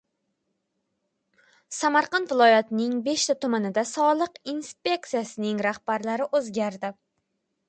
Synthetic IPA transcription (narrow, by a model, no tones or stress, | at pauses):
samaɾqɑnvɪlˠɒjat̪nɪŋbe̞ʃt̪ʰat̪ʰʊmanɪd̪asɒlˠɨqinspʲe̞k̚t̪sijasɪnɪŋɾahb̥aɾlaɾɪʔozɡʲaɾd̪ɪ